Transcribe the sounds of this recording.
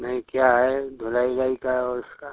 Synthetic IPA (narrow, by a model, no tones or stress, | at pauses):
nɐɦĩkjaɦɛd̪ʱʊlaːid͡ʒaːikaɦɛɔɾɪska